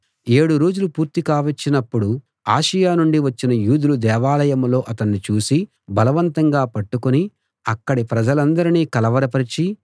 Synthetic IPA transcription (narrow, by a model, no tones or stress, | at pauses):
e̞ːɽuɾo̞ːd͡ʒulupuːɾt̪ikaːʋɐt͡ʃːinɐpːuɽu | aːʃɐjaːnuɳɖiʋɐt͡ʃːinɐjuːd̪ulud̪ɛːʋaːlɐjɐmlo̞ːʔɐt̪ɐnːit͡ʃuːsi | bɐlɐʋɐnt̪ɐŋɡaːpɐʈːukuni | ɐkːɐɽipɾɐd͡ʒɐlɐnd̪ɐɾiniːkɐlɐʋɐɾɐpɐɾit͡ʃi